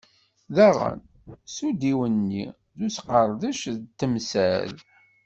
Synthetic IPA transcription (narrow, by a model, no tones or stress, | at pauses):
ðæʁˤə̰n | sud̪iwənːi | ðusqəɾˤðəʃt̪ːəmsæ̰l